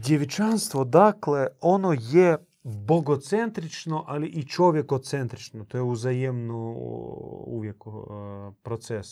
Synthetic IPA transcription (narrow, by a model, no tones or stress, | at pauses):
d̪ʲjeʋɪt͡ʃanst̪ʋod̪aklˠɛonojɛ | boɡot̪sɛnt̪ɾit͡ʃnoʔaliʔit͡ʃoʋʲjɛkot̪sɛnt̪ɾit͡ʃnot̪ojɛuzajɛmnɔ | ṵʋʲjekupɾot̪sɛs